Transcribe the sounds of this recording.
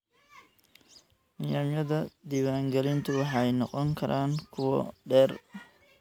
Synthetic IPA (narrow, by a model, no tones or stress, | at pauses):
nɪjaːmjɐðɐd̪iwaːŋɡɛlɪnt̪ʰʊwɑħɑjnɔqɔŋkʰɐɾʔaːŋkʰʊwɔ̰ɖɛːr